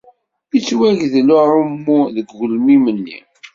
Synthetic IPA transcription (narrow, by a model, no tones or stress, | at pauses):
it͡sːwæʝðlʊʊmːuðəɡːʊlmimənːḭ